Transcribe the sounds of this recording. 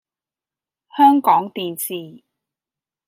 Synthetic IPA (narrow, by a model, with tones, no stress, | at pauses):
hœː˥ŋkɔː˨˥ŋt̪iː˨nsiː˨